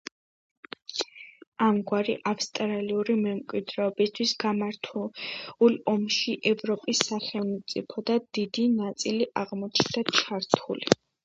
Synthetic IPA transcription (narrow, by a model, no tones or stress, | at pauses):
amɡwaɾiʔapst̪ʼɾaliuɾimɛmkʼwid̪ɾɛɔbist̪ʰwisɡ̥amaɾt̪ʰulˠɔmʃiʔɛvɾɔpʼisːaχɛlˠmt̪sʼipʰɔd̪ad̪̥id̪inat̪sʼiliʔaʁmɔt͡ʃʰnd̪at͡ʃʰaɾt̪ʰulḭ